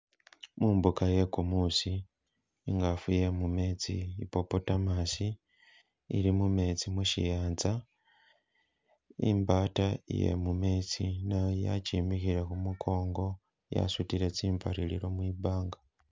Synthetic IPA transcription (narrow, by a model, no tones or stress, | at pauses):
muːmbukaje̞kumusiː | ŋɡafuje̞mume̞t͡sḭipo̞potamasi | ḭlimume̞t͡simuʃḭjaːnd͡za | imbatajḛmume̞t͡sinaja̰t͡ʃiːmixiɾe̞kumukʰo̞ːŋɡo̞ | ja̰sutiɾe̞t͡siːmpaɾilḭlo̞mwiːbaːŋɡa